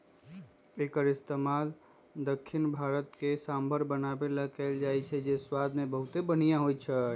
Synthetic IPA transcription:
ekəɾɪst̪emal | d̪əkʰːinbʱaɾət̪kesambʱəɾbənabeləkəld͡ʒajt͡ʃʰɛd͡ʒeswad̪mẽbəɦut̪ebənijãɦoj̪̚t͡ʃʰɛ

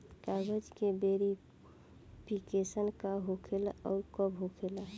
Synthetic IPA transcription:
kaɡəd͡ʒkebeɾi | pʰikesənkaɦokʰelɔːɾkɔbɦokʰela

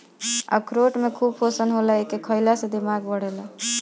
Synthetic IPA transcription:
ə̰kʰɾoʈmekʰubpʰosənɦolɛekekʰəjlasẽd̪imaɡbəɽ̤elɛ

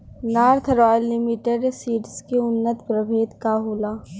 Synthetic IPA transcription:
naːɾt̪ʰɾɔːjəlːɪmiʈeɖsiːʈskeʊnːət̪pɾəbʱeːt̪kaːɦuːlaː

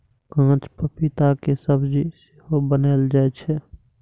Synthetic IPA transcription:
kãːt͡ʃpəpɪt̪akesəbd͡ʒisɪɦobəneːld͡ʒaɛt͡ʃʰɛ

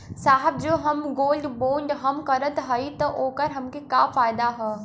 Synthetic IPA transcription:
saːɦɪb̚d͡ʑoːɦɐmɡoːlɖboːɳɖɦɐmkɐɾət̪ɦɐit̪ɐʔoːkəɾɦɐmkʰekaːfaːɪd̪aɦɛ

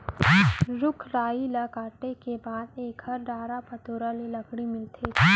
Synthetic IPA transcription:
ɾʊkʰɾaːilɐkaːʈekebaːd̪eːkhɐɾɖaːɾapɐt̪oːɾalelɐkɽ̃imɪlt̪ʰeː

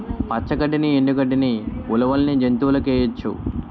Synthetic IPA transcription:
pɐt͡ʃːɐkɐʈːinieɳɖukɐɖiniulɐʋɐlnid͡ʒent̪uːlɐkɛːjɐt͡ʃːṵ

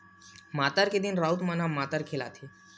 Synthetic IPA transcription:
mat̪aɾked̪inɾaut̪manamat̪əɾkʰela̰t̪ʰe

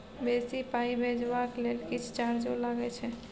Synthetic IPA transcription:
besipaibʱed͡ʒʋaklelkit͡ʃʰt͡ʃaɾd͡ʒolaɡɛt͡ʃʰɛ

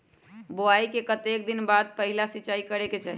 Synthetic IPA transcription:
boaikekət̪ekd̪inbad̪̚pəɦilasiːt͡ʃaikəɾeket͡ʃaɦi

